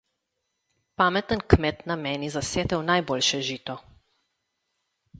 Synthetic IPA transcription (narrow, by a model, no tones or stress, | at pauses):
paːmɛt̪ənkmɛt̪namɛːnizaseːt̪ɛwnajboːlʃɛʒiːt̪ɔ